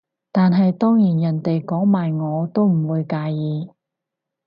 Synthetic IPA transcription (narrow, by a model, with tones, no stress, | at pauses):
t̪aː˨nɦɐ˨jt̪ɔː˥ŋjiː˨˩njɐ˨˩nt̪e˨jkɔː˨˥ŋmaː˨jŋɔː˨˧t̪o˥wm̩˨˩wuː˨˧jkaː˧jjiː˨˧